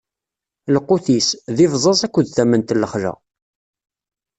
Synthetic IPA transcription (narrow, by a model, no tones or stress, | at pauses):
ləqːuθisðɪvzˤɑzˤækʷːʊðθæmənt̪lːəχʒə̰